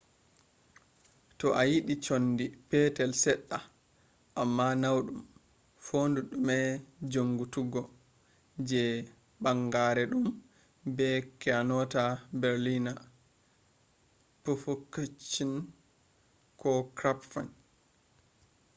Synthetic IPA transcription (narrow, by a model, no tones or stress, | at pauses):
tɔʔajiɗit͡ʃonːdipɛtɛlsɛɗːa | ʔamːanawɗum | foːnduɗumɛd͡ʒoŋɡutuɡɔ | d͡ʒɛ | ɓaŋɡaɾɛɗum | bɛkɛanɔtabɛɾlina | pofukat͡ʃːin | kɔkɾapfan